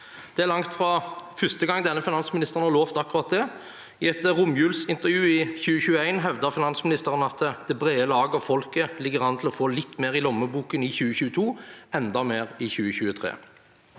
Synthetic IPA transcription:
d̪̥ɛæʁlɑŋt̪fʁɑfʏst̪əɡɑŋːd̪ɛnːəfɪnɑnsmɪnɪst̪əʁənɑloːft̪ɑkːʉɾɑt̪̚d̪ɛ | ɪɛt̪əʁʊmjʉːlsɪnt̪əʁjʉːɪçʉːəçʉːəæɪnɦɛʋd̪əʁfɪnɑnsmɪnɪst̪əʁənəɑt̪d̪̥ɛbʁeːəlɑːɡəɔfɔlkəlɪɡəʁɑnət̪ʰl̩ɔfoːlɪt̪ːmeːʁɪlɔmːəbuːkənɪçʉːəçʉːət̪ʰuːɛnd̪ɑmeːʁɪçʉːəçʉːət̪ʰʁḛː

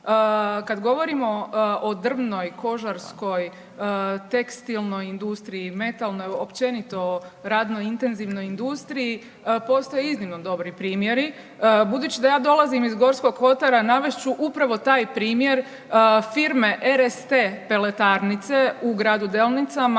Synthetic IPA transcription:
əkad̪ɡo̞ʋo̞ɾimo̞od̪r̩ʋno̞jko̞ʒaɾsko̞j | t̪e̞kst̪ilˠno̞jind̪ust̪ɾijime̞t̪alˠno̞jopt͡ʃe̞nit̪o̞ɾaːd̪no̞jint̪e̞nziʋno̞jind̪ust̪ɾiji | po̞st̪ojeiznimno̞d̪o̞bɾipɾiːmje̞ɾi | bud̪uːt͡ɕid̪ajaːd̪o̞lˠazimizɡo̞ɾsko̞ɡxo̞t̪aɾanaʋeʃt͡ʃuʔupɾaʋo̞t̪aːjpɾiːmje̞ɾ | fiɾme̞ʔeɾest̪epe̞le̞t̪aɾnit̪se̞uɡɾaːd̪ud̪elˠnit̪sama

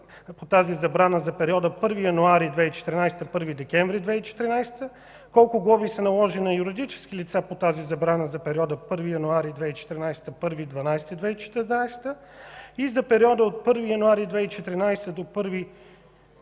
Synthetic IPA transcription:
pot̪azizɐbɾanəzɐpɛɾiɔd̪əpɤɾvijɐnuaɾid̪vɛit͡ʃɛ̥t̪ɾinajst̪əpɤɾvid̪ɛkʲɛɱvɾid̪vɛit͡ʃɛ̥t̪ɾinajst̪ə | kɔlˠkʊɡˠɔbisɛnɐlˠɔʒinɐjuɾid̪it͡ʃɛ̥sk̟ilit̪sapot̪azizɐbɾanəzɐpɛɾʲiɔd̪əpɤɾvijɐnuaɾid̪vɛit͡ʃɛ̥t̪ɾinajst̪əpɤɾvid̪vɐnajst̪əid̪vɛit͡ʃɛ̥t̪najst̪ə | izɐpɛɾiɔd̪əot̪̚pɤɾvijɐnuaɾid̪vɛit͡ʃɛt̪ɾinajst̪əd̪opɤɾvi

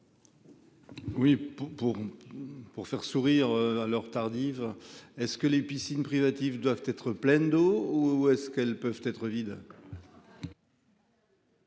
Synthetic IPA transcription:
wipuʁpuʁfɛʁsuʁiʁøalœʁt̪aʁd̪ivɛskəlepisinpχivat̪ivd̪wavt̪ɛt̪χəplɛnd̪ouɛskɛlpœvt̪ɛt̪χəvid̪

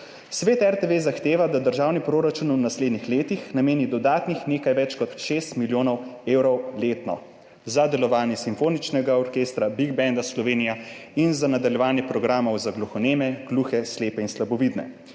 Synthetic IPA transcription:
sʋeːt̪ɛɾt̪eʋezaxt̪eːʋad̪ad̪əɾʒaːwnipɾoːɾat͡ʃunwnasleːd̪nixleːt̪ixnameːnid̪ɔd̪aːt̪nixneːkajʋɛt͡ʃkɔt̪ʃeːst̪miljoːnɔweːwɾɔwleːt̪nɔ̰ | zad̪ɛlɔʋaːnjɛsimfoːnit͡ʃnɛɡaɔɾkeːst̪ɾabiɡ̚bɛnd̪aslɔʋeːnijainzanad̪aljɛʋaːnjɛpɾɔɡɾaːmɔwzaɡlɔxɔneːmɛɡ̥luːxɛsleːpɛinslabɔʋid̪nɛ̰

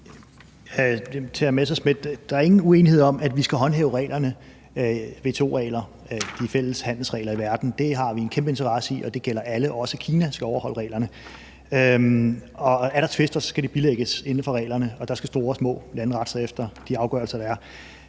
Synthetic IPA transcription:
t͡sʰeæɐmes̬ɒsme̝d̥d̥ɑ̈æɐe̝ŋn̩ue̝ːnihe̝ð̞̰ˠɒ̽mædʋisɡ̥æɦɒ̽nɦeːʊʁɛ̰ːlɐnə | ʋe̝̰ːt͡sʰeo̝ːʁɛ̰ːlɐ | d̥ifel̰əshæn̰l̩sʁɛ̰ːɪlɐiʋæɐd̥n̩d̥e̝ɦɑ̈ʋie̝nkʰemb̥əe̝nt͡sʰɐʁɑ̈səiʔɒ̽d̥e̝ɡ̥el̰ɐʔæləʔɒ̽səkʰiːnæsɡ̥æɒʊɐhɒ̽l̰ʁɛ̰ːlɐnə | ø | ɒ̽æɐɾ̥ɑ̈t͡sʰʋe̝sd̥ɐsɒ̽sɡ̥æɾ̥ib̥ileɡ̥əse̝nn̩fɒ̽ʁɛ̰ːlɐnəɒ̽d̥ɑ̈sɡ̥æsd̥o̝̰ːɐsmɔ̰̽ːlænʁɑ̈d̥sɐefd̥ɐd̥iɑ̈ʊɡ̥ɶ̰ɐlsɐd̥ɾɑæɐ

